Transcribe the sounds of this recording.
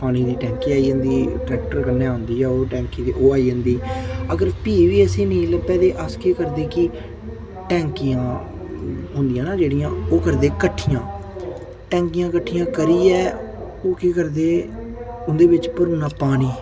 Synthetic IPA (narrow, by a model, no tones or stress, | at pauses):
paːñiːd̪iːʈɛ̃ːŋkiːaːiːə̃nd̪iːʈɾɛːk̚ʈəɾkənɛːɦʊ̃nd̪iːɛːoːʈɛ̃ːŋkiːd̪iːʔoːaːiːɦənd̪iːəɡəɾpiːʋiːəsĩːnĩːləbɛːd̪eːʔəskeːkəɾd̪eːkɪ | ʈɛ̃ːŋkijãː | ɦʊ̃nd̪ɪjãːnaːd͡ʒeːɽijãːoːkəɾd̪eːkəʈʰːijãː | ʈɛ̃ːŋkɪjãːkəʈʰːijãːkəɾiːɛː | oːkiːkəɾd̪eː | ʊnd̪eːbɪt͡ʃpəɾuːnãːpaːñiː